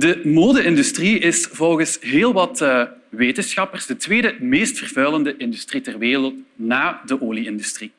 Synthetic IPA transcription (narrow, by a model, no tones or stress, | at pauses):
dəmoːdəɪndystriɪsvɔlˠɣəsɦeːlˠʋɑtəʋeːtənsxɑpərsdətʋeːdəmeːstfərvœləndəʔɪndystritɛrʋeːrəlˠtnaːdəʔoːliɪndystri